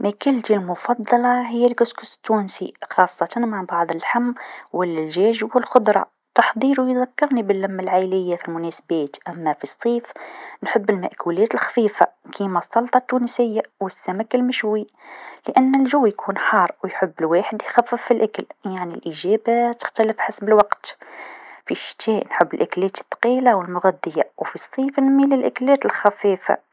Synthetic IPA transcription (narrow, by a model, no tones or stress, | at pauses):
mækəlt̪ilmʊfɑd̪ˤːɑlɑɦəjːælkʊskʊst̪ːuːnsixɑːsˤːɑt̪ɑnmaʕbɑʕd̪ˤəlħamːwɪlːɪlʒæːʒwəlxʊd̪ɾˤɑ̰ | t̪ɑħd̪ˤiːɾwjðækːɑɾnibəlːæmːalʕajlɪjːafilmʊnæsbæːt̪ʔæmːafisˤːiːfnħʊbːəlmæ̰ʔkʰulæːt̪əlxfiːfa̰kʰimæsˤːɑlt̪ˤɑt̪ːunsəjːawəsːæmækːəlməʃwiləʔænːəlʒʊwːjkʰunħɑrˤːwjħʊbːəlwaħəd̪jxæfːəfːilʔakəljaʕnilʔiʒæbat̪ə̥xt̪æləfħasbəlwɑqt̪ | fiʃt̪ʰiʔnħəbːəlʔaklæːt̪ə̥t̪ːɑ̥qilawəlmʊɣæd̪ːəjawfisˤːiːfənmiləlʔaklæːt̪əlxæfifa̰